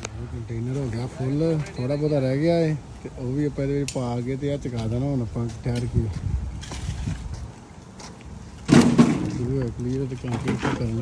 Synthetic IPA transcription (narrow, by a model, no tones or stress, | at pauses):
oːkəɳʈeːnəɾɦoːɡɪaːpʰʊlt̪ʰoːɽaːbəd̪aːɾɛːɡɪaːeːt̪eʔoːʋiːəpːɛ̃ːd̪eːʋɪt͡ʃpaːɡeːt̪̬eːət͡ʃəkaːd̪aːnaːɦonəpə̃ːt͡ʃʈʰɛːɾke | səbiːɦoːekəbiːɾoːt̪ekə̃ːkeːtːkəɾn